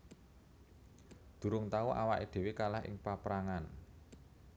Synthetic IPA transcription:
d̪̥ṳɾʊŋt̪auʔa̰waʔed̪̥e̤wekalahɪ̰ŋpapɾaŋan

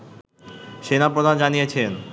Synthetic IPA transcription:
ʃenapɾod̪ʱand͡ʑanijet͡ɕʰen

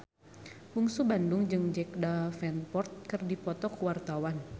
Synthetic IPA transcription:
muŋsubandʊŋd͡ʒɨŋd͡ʒɛk̚dafɛnpɔrt̪̚kɨrdipɔt̪ɔkuwart̪awan

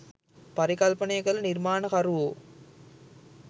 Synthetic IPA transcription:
pɐɾikɐlpɐnɐjɡɐɭniɾmaːnɐkɐɾuʋo

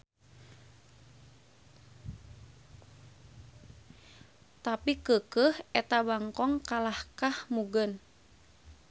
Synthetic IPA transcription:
t̪apikəkəhʔɛt̪abaŋkɔŋkalahkahmuɡən

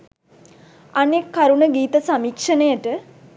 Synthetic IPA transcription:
anekːaɾunəɡiːt̪əsamikʂənəjəʈə

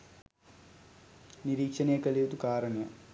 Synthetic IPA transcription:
niɾiːkʂɐnejɐkɐɭijt̪ukaːɾɐɳɐjɐ

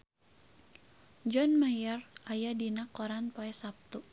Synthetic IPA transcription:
d͡ʒɔnmajɔrajadinakɔɾanpaɛsap̚t̪u

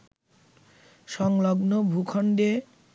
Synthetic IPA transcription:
ʃɔŋlɔɡnobʱukʰɔɳɖe

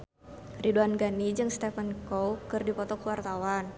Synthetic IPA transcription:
riduanɡanid͡ʒɨŋst̪ɛfənkɔwkɨrdipɔt̪ɔkəwart̪awan

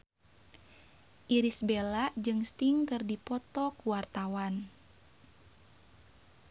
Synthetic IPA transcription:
ʔiɾisbelad͡ʒɨŋst̪iŋkɨrdipɔt̪ɔkuwart̪awan

